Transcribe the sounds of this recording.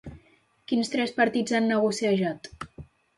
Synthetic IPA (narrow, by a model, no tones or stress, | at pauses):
kinst̪ɾɛspəɾt̪id͡zanːəɣusiəʒat̪